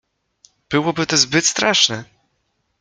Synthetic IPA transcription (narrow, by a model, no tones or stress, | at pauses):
b̥ɘwɔbɘt̪ɔzbɘt̪st̪ɾaʂnɛ